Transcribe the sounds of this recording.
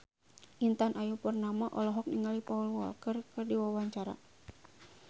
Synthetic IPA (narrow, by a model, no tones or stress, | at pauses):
ʔint̪anʔajupərnamaʔɔlɔɦɔk̚niŋalipaulwɔ̰lkərkɨrdiwawaɲt͡ʃaɾa̰